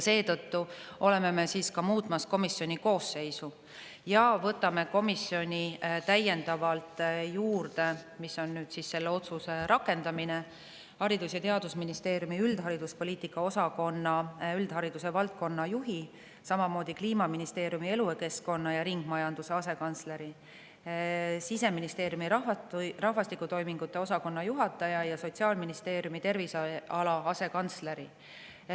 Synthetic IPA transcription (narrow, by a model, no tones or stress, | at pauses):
jse̞ːt̪ɤt̪ːuʔo̞le̞me̞me̞siːskɑmuːt̪ˑmɑsko̞misːjo̞nʲiko̞ːsːe̞jsu | jɑvɤt̪ːˑɑme̞ko̞misjo̞nʲit̪æje̞nd̪̥ɑvɑlt̪ˑjuːrd̪e̞miso̞nːyːd̪̥sisse̞lːeo̞t̪suse̞ɾɑkːˑe̞nd̪ɑmine̞ | hɑɾid̪usjɑt̪eɑd̪usminist̪e̞ːɾjumiyld̪̥ɦɑɾid̪̥uspo̞lʲiːt̪ːˑikːˑɑo̞sɑko̞nːɑyld̪̥ɦɑɾid̪̥use̞vɑlt̪̚ko̞nːɑjuɦi | sɑmɑmo̞ːd̪̥ʲikliːmɑminist̪e̞ːɾjumie̞lueke̞sko̞nːɑjɑɾiŋɡ̥mɑjɑnd̪̥use̞ɑse̞kɑnt̪sle̞ɾi | sise̞minist̪e̞ːɾjumiɾɑɑrɑhvɑst̪ikːˑut̪o̞jmiŋɡ̥ut̪ːˑe̞o̞sɑko̞nːɑjuɦɑt̪ːˑɑjɑjɑso̞t̪ʲsiɑːlminist̪e̞ːɾjumit̪e̞rvisɑɑlɑɑse̞kɑnt̪sle̞ɾi